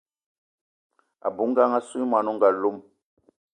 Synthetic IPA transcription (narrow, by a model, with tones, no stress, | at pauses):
a̰˨bu˨˦ŋ˦ɡa˦ŋa˦su˦ma˨nu˦ŋ˨ɡa˨lu˦m